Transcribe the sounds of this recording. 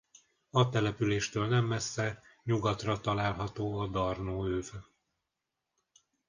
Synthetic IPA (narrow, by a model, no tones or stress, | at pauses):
ɒt̪ɛlɛpyleːʃt̪øːlnɛmːɛsːɛɲuɡɒt̪rɒt̪ɒlaːlɦɒt̪oːɒd̪ɒrnoːøːvø